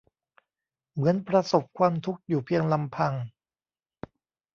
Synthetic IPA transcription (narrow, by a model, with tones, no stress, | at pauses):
mɯ˩˦ənpɾa˧so˨˩p̚kʰwaː˧mt̪ʰu˦˥k̚juː˨˩pʰi˧əŋla˧mpʰa˧ŋ